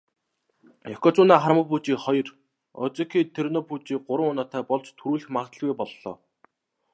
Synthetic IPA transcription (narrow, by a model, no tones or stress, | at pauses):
ɔkɔt͡sʊːnaːχaɾmə̆puːt͡ɕiːχɔjɞ̆r | ɔ̰t͡sĭkʰiːt̪ʰernɔput͡ɕiːk̚ɢʊɾə̆ŋʊːnaːt̪ʰæːpɔɮt͡ɕt̪ʰuɾuːɮɘ̆xmaʁt̪ə̆ɮɣujpɔɮːɔ̰ː